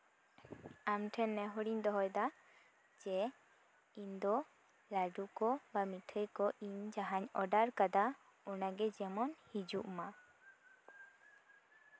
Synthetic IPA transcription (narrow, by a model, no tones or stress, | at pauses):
amʈʰɛnːɛɦɔɽiɲd̪ɔɦɔjd̪a | d͡ʒɛ | ind̪ɔ | laɖukɔbamiʈʰəjkɔʔiɲd͡ʒaɦaɲɔɖaɾkad̪a | ɔnaɡɛd͡ʒɛmɔnhid͡ʒuʔma